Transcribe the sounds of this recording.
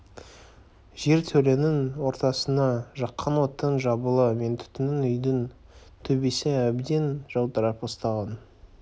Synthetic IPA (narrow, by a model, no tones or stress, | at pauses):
ʒe̞ɾt̪ʰɵle̞nɪnwo̞ɾt̪ɑsənɑʒɑqʰːɑnwo̞t̪ːənʒɑbəlˠəme̞nt̪ʰʏ̥t̪ɪnɪnʏjd̪ɪn | t̪ʰɵbe̞sɪæbd̪e̞nʒ̥ɑw̪ˠd̪əɾɑpost̪ɑʁɑn